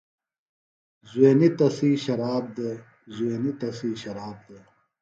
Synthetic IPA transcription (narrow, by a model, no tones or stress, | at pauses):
zweːnit̪ɐsiːɕɐɾaːb̚d̪e | zweːnit̪ɐsiːɕɐɾaːb̚d̪e